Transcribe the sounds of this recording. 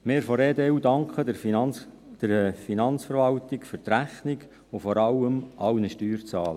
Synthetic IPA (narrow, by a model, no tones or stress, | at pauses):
mɪːɾfɔɾeːd̪eːud̪ɑŋkχə | d̪̥əɾfinɑnt͡sfəɾvɑlt̪ɪkfʏrt̪ræχnɪk | ofɔɾɑwəmʔɑwnəʃtyːrt͡sɑːlə